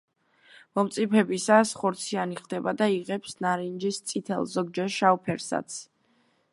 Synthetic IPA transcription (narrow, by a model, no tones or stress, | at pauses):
mɔmt̪sʼipʰɛbisasχɔɾt̪sʰianiχd̪ɛbad̪aiʁɛpsnaɾind͡ʒist̪sʼit̪ʰɛ̰lˠzɔɡ̚d͡ʒɛɾʃaupʰɛɾsa̰t̪sʰ